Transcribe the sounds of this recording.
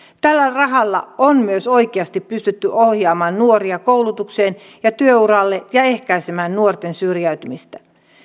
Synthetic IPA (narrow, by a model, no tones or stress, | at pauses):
t̪ælːærɑɦɑlːɑ̰onmyøso̞jkeɑst̪ipːyst̪yt̪ːyʔo̞hjɑːmɑːnnuo̞ɾiɑkowlut̪ukse̞ːn | jɑt̪yøuɾɑlːe̞jɑe̞hkæjsemæːnːuort̪e̞nsyrjæɥt̪ymist̪æ